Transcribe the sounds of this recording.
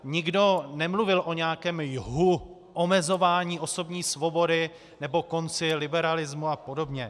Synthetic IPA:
ɲɪɡdo̞nɛmluvɪlʔo̞ɲɛakɛːmjɦu | ʔo̞mɛzo̞vaːɲiːʔo̞so̞bɲiːsvo̞bo̞dɪ | nɛbo̞ko̞nt͡sɪlɪbɛɾalɪzmuapo̞do̞bɲɛ

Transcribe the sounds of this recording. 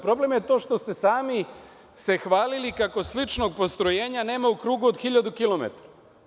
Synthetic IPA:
pɾo̞ble̞mje̞t̪o̞ːʃt̪o̞st̪e̞saːmi | se̞xʋaːlilikako̞slit͡ʃno̞ɡ̚po̞st̪ɾo̞je̞ːɲane̞ːmaukɾuːɡuod̪xiʎad̪ukilo̞mḛt̪aɾa

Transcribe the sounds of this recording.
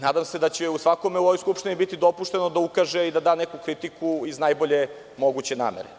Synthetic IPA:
naːd̪amse̞d̪at͡ɕeusʋako̞meuoʋojskupʃt̪inibit̪id̪o̞puʃt̪e̞nod̪aukaʒeid̪ad̪aːnekukɾit̪ikuiznajboʎe̞ | mo̞ɡut͡ɕe̞na̰ːmeɾe

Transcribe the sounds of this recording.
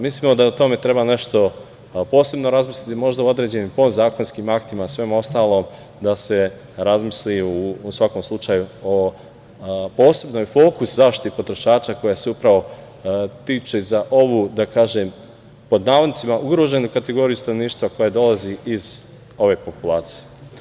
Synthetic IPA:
mislimo̞d̪aut̪o̞me̞t̪ɾe̞baneʃt̪o̞ | po̞ːse̞bno̞ɾazmislʲit̪imo̞ʒd̪auo̞d̪ɾe̞ːd͡ʑe̞niːmpo̞zaːko̞nskimakt̪imasʋemo̞st̪aːlˠo̞ːm | d̪ase̞ | ɾazmisliusʋako̞mslˠut͡ʃajuo | po̞ːse̞bnojfo̞ːkuszaʃt̪it̪ipo̞t̪ɾo̞ʃaːt͡ʃako̞jaseupɾaʋo̞ | t̪iːt͡ʃezaʔo̞ʋuːd̪akaːʒeːm | po̞d̪naːʋnit̪simaʔuɡɾo̞ːʒe̞nukat̪e̞ɡo̞ɾijust̪ano̞ʋniːʃt̪ʋako̞jad̪o̞lˠaziiz | o̞ʋe̞ːpo̞pulˠaːt̪si̥je

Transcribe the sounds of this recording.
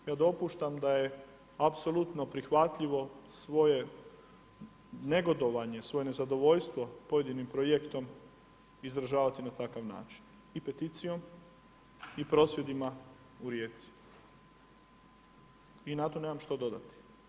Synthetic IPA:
jaːd̪o̞puːʃt̪amd̪aje̞ | apso̞lˠut̪no̞pɾixʋat̪ʎiʋo̞sʋo̞je̞ | ne̞ɡo̞d̪o̞ʋaɲe̞sʋo̞je̞ne̞zad̪o̞ʋo̞ʎst̪ʋopo̞je̞d̪inimpɾojekt̪o̞m | izɾaʒaːʋat̪inat̪akaʋna̰ːt͡ʃi̥n | ipe̞t̪it̪sijo̞m | ipɾo̞sʋje̞d̪ima | uɾje̞ːt̪si̥ | inat̪o̞ne̞ːmamʃt̪od̪o̞d̪a̰t̪i̥

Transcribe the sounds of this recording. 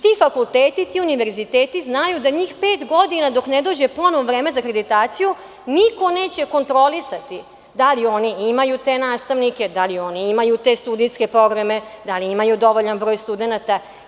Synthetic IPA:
t̪ifakulˠt̪eːt̪it̪iuniʋe̞ɾzit̪eːt̪iznajud̪aɲiːxpeːt̪ɡo̞d̪inad̪o̞kned̪o̞ːd͡ʑeplonoʋɾeːmezakɾed̪it̪aːt̪siju | niko̞ne̞ːt͡ɕe̞ko̞nt̪ɾo̞lisat̪i | d̪alio̞niimajut̪e̞naːst̪aʋnike̞d̪alio̞niimajut̪e̞st̪ud̪ijske̞pɾo̞ɡɾame̞d̪aliimajud̪o̞ʋoʎanbɾo̞ːjst̪ud̪enat̪a

